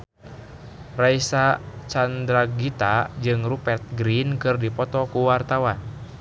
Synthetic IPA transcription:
raisat͡ʃand̪ɾaɡit̪ad͡ʒɨŋrupɛrt̪̚ɡɾinkɨrdipɔt̪ɔkuwart̪awan

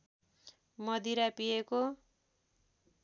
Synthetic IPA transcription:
mʌd̪iɾapijeko

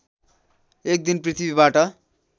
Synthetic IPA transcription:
ek̚d̪inprit̪ʰibibaʈʌ

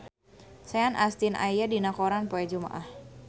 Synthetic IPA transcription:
saanʔast̪inʔa̰jjadinakoɾanpoɛd͡ʒuma̰ʔah

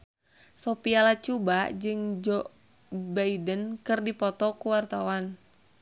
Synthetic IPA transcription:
sopialat͡ʃubad͡ʒɨŋd͡ʒɔ | baidənkɨrdipɔt̪ɔkuwart̪awan

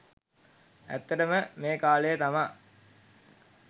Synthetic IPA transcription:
æ̰t̪ːəʈəməmeːkaːləjət̪amaː

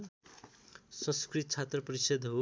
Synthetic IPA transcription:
sʌ̃skrit̪t͡sʰat̪rʌpʌɾisʌd̪ɦo

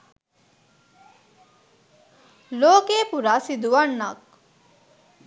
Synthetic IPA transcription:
loːkeːpuɾaːsid̪uʋɐnːɐk̚

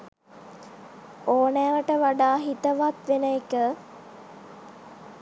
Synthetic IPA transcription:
oːnɛːʋəʈəʋaɖaːɦit̪əʋat̪ʋenəekə

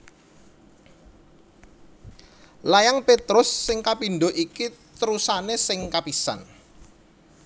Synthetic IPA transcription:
lajaŋpet̪ɾʊsːɪŋkapinɖoʔikit̪əɾusanesɪŋkapisa̰n

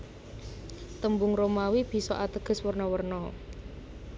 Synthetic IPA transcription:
t̪əmbʊŋɾomawib̥i̤sɔ̰ʔat̪əɡ̥ə̤swərnɔwərnɔ

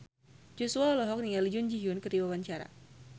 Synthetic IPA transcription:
d͡ʒɔsuaɔlɔɦɔk̚niŋalid͡ʒund͡ʒiɦiʊnkəriwawaɲt͡ʃaɾa̰

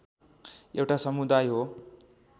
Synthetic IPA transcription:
ʔewʈasʌmud̪ajɦo

